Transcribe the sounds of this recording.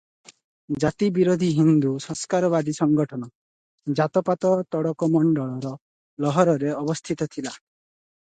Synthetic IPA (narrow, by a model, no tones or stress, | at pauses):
d͡ʒat̪ibiɾod̪ʱiɦind̪usɔ̃skaɾɔβad̪isɔŋɡɔʈʰɔnɔ | d͡ʒat̪ɔpat̪ɔt̪ɔɽɔkɔmɔɳɖɔɭɔɾɔ | lɔɦɔɾɔɾeɔbɔst̪ʰit̪ɔt̪ʰila